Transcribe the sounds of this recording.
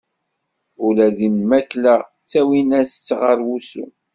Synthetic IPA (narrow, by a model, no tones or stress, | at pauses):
ʊlæðimːæklæ | t͡sːæwinæst͡sːʁəɾwusṵ